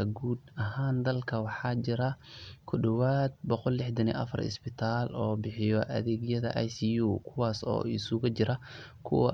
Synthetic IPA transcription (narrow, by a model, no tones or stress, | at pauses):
ɐɡuːd̪ɐɦaːnd̪ɐlkʰɐwɑħɑːt͡ʃɪɾɐkʰʊɖɔwaːd̪̚bɔqɔlːɪħd̪ɐnḭʔɐ̰fɐ̰rɪ̰sbɪt̪ʰaːlɔːbɪħɪjɔʔɐ̰ðɛːɣjɐðɐʔajsijuːkʰʊwaːsɔ̰ːɪsʊɣɐt͡ʃɪɾɐ | kʰʊ̰wɐ̰